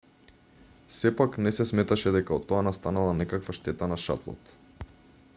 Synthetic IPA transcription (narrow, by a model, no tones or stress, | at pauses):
sɛpaknɛsɛsmɛt̪aʃɛd̪ɛkaɔt̪ːɔanast̪analˠanɛkakvaʃt̪ɛt̪anaʃa̰t̪lˠɔ̰t̪